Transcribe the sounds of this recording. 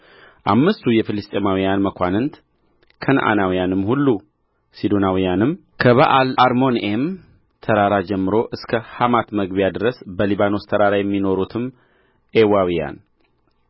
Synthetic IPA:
ʔamːɨst̪ʰujɛfɨlɨst̪ʼemawijanməkʷanɨnt̪ | kʰənʔa̰nawijanɨmːhulːu | sid̪onawijanɨmː | kʰəβaʔalaɾmo̞nʔem | t̪ʰəɾaɾad͡ʒɛmːɨɾo̞ʔɨskʰəhamat̪məɡβijad̪ɨɾəsbəliβano̞st̪ʰəɾaɾajɛmːino̞ɾut̪ʰɨm | ʔewawija̰n

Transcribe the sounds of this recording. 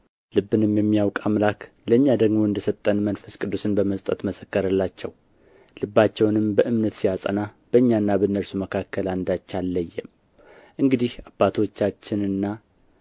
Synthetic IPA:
lɨbːɨnɨmjɛmːijawkʼamlak | ləɨɲːad̪əɡmo̞ɨnd̪əsət̪ʼːənmənfəskʼɨd̪ːusɨnbəməst̪ʼət̪məsəkːəɾəlːat͡ʃːɛw | lɨbːat͡ʃːɛwnɨmbəʔɨmnət̪sijasʼə̰nab̥əɨɲːanːabənːəɾsuməkʰakːəland̪ajt͡ʃːalːəjːɛm | ʔɨŋɡɨd̪ihabːat̪ʰot͡ʃːat͡ʃːɪnɨnːa

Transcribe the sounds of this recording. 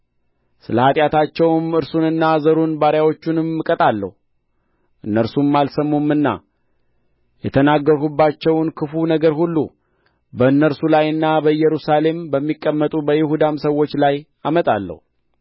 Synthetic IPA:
sɨləhat̪ʼjat̪ʰat͡ʃːɛwmɨɾsunɨnːazəɾunbaɾjawo̞t͡ʃːunɨmːɨkʼət̪ʼalːə̰hu | ʔɨnːəɾsumːalsəmːumːɨnːa̰ | jɛt̪ʰənaɡːəɾhubːat͡ʃːɛwnkʰɨfunəɡəɾhulːṵ | bəɨnːəɾsulajɨnːabəjɛɾusale̞mbəmːikʼːəmːət̪ʼubəjɪɦud̪amsəwːo̞t͡ʃːlaj | amət̪ʼalːə̰hu

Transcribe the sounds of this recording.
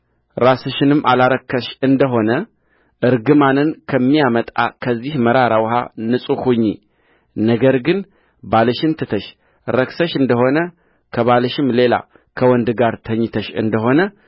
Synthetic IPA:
ɾasɨʃɪnɨmːʔalaɾəkʰːəʃɨnd̪əɦo̞nə | ʔɨɾɡɨmanɨnkʰəmːijamət̪ʼa̰kʰəzːihməɾaɾawha̰nɨsʼukuɲːi | nəɡəɾɡɨn | baləʃɪnt̪ʰɨt̪ʰəʃ | ɾəksəʃɨnd̪əho̞nə | kʰəβaləʃɪmle̞la̰ | kʰəwɔnd̪ɡaɾt̪ʰəɲːt̪ʰəʃɨ̰nd̪əɦo̞nə

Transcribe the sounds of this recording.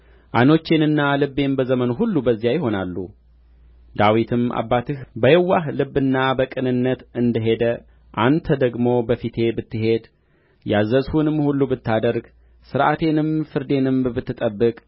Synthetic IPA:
ʔano̞t͡ʃːenɨnːalɨbːe̞nbəzəmənuɦulːubəzːijajɪho̞nalːṵ | d̪awit̪ʰɨma̰bːat̪ʰɨhbəjɛwːahlɨbːɨnːabəkʼɨnɨnːət̪ɨnd̪əɦe̞d̪ə | ʔant̪ʰəd̪əɡmo̞bəfit̪ʰe̞bɨt̪ːɨɦe̞d̪ | jazəzhunɨmːhulːubɨt̪ːad̪əɾɡ | sɨɾʔa̰t̪ʰe̞nɨmfɨɾd̪e̞nɨmbɨt̪ːɨt̪ʼəbːɨkʼ

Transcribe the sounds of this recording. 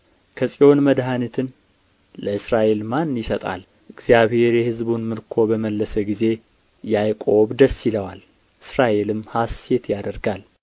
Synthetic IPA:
kʰəsʼio̞nməd̪ɦanit̪ʰɨn | ləɨsɾaʔe̞lmanːjɪsət̪ʼa̰l | ʔɨɡzjaβhe̞ɾjɛhɨzbunmɨɾkʰo̞bəməlːəsəɡize̞ | jajkʼo̞βd̪əsːiləwal | ʔɨsɾaʔe̞lɨmhase̞t̪ʰjad̪əɾɡal

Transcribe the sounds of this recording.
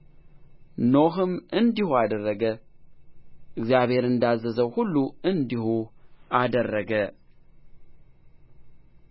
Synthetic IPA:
noɦɨmɨnd̪ihuad̪ərːəɡə | ʔɨɡzijaβhe̞ɾɨnd̪azəzəwhulːuɨnd̪ihuad̪ərːəɡə

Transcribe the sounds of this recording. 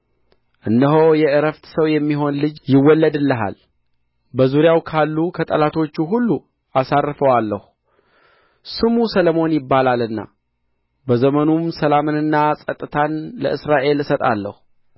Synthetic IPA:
ʔɨnːəɦo̞jɛʔɨɾəft̪səwjɛmːiɦo̞nlɨd͡ʒjɪwːɔlːəd̪ɨlːəɦa̰l | bəzuɾjawkʰalːukʰət̪ʼə̰lat̪ʰo̞t͡ʃːuɦulːu | asarfəwalːəhu | sɨmusələmo̞njɪbːalalɨnːa̰ | bəzəmənumsəlamɨnɨnːasʼət̪ʼːɨt̪ʰanlə̰ʔɨsɾaʔe̞lɨsət̪ʼa̰lːə̰hu

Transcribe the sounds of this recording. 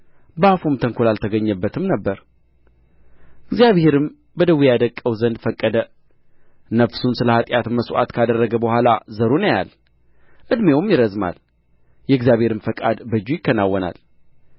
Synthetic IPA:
bafumt̪ʰəŋkʰolalt̪ʰəɡəɲːəbːət̪ʰɨmnəbːəɾ | ɨɡzjaβhe̞ɾɨm | bəd̪əwːijad̪əkʼːəwzənd̪fəkʼːəd̪ə | nəfsunsɨləhat̪ʼjat̪məsʔa̰t̪kʰad̪ərːəɡəbəhʷalazəɾonəja̰l | ʔɨd̪mewmjɪɾəzma̰l | jɛɨɡzjaβhe̞ɾɨmfəkʼad̪bɨd͡ʒːujɪkːənawːəna̰l

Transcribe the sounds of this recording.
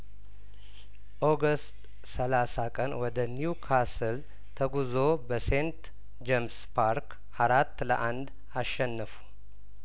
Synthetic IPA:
ʔoɡəst̪ʼ | səlasakʼənwɔd̪əniukʰasɨl | t̪ʰəɡuzo̞bəse̞nt̪ | d͡ʒemspʰaɾk | aɾat̪ːləʔand̪ | aʃːɛnːəfu̥

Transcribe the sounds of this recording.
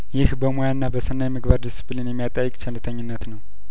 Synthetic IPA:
jɪhbəmojanːabəsɨnːajmɨɡbaɾd̪isɨ̥pʰlinjɛmːijat̪ʼajːɪkʼt͡ʃʰɛlːɨt̪ʰəɲːɪnːət̪nəw

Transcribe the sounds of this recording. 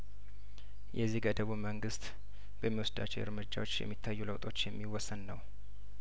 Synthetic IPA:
jʔɛzːihɡəd̪əβuməŋɡɨst̪ | bəmːiwɔsd̪a̰t͡ʃːɛwɨɾmɨd͡ʒːa̰wo̞t͡ʃːjɛ̰mːit̪ʰːajːuləwt̪ʼʰo̞t͡ʃːjɛmːiwɔsːənːəw

